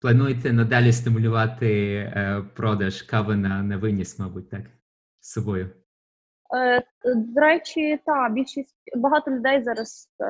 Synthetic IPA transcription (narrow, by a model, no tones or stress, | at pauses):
plˠɐnujt̪ɛnɐd̪ɑlʲɪst̪ɪmʊlʲʊʋɑt̪ɪ | pɾɔd̪ɐʃkaʋɪnɐnɐʋɪnʲismɔbʊt̚ʲt̪ak | sɐbɔjʊ | d̪ɔɾɛt͡ʃʲit̪ɑbʲilʲʃisʲtʲbɐɦɑt̪ɔlʲʊd̪ɛjzɑɾɐs